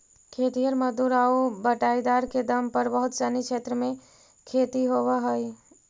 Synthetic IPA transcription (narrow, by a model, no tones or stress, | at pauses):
kʰet̪ijəɾməd̪uɾaubəʈaid̪aɾked̪əmpəɾbəɦʊt̪sənikʰeːt̪ɾəmẽ | kʰet̪iɦoʋəɦəj